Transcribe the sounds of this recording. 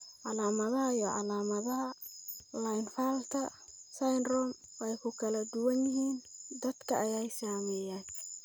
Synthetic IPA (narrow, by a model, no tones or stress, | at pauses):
ʕɑlaːmɐðɐɦɐjɔʕɑ̰laːmɐðɐɦɐlajnfalt̪ʰɐsajnrɔmwɛjkʰʊkʰɐlɐd̪ʊwɐnjɪɦiːnd̪ɐd̪kʰɐʔːjɛjsaːmɛːjaːn